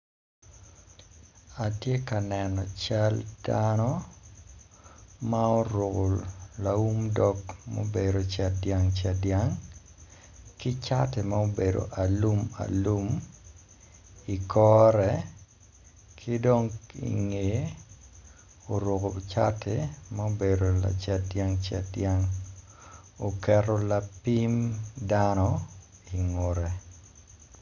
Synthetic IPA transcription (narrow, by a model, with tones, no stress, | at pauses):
a˨tje˦ka˨nɛnɔ˨t͡ʃald̥anɔ | mao˦ɾʊko˨lau˦mdɔ˦kmo̰˦be˨ɾo˨t͡ʃa˨djaŋt͡ʃa˨djaŋ | kɪ˦t͡ʃate˨mao˦be˨do̰˨ʔa˨lu˦ma̰˨lu˦m | i˨kʰɔɾɛ | kʰɪ˦do˦ŋḭ˨ŋe˨ | o˨ɾʊ˨ko˨t͡ʃa˦tʰemao˦bedo˨la̰˨t͡ʃɛdjaŋt͡ʃa̰˦djaŋ | o˨kɛro˦lapimdanɔ | i˨ŋo˨ɾɛ˨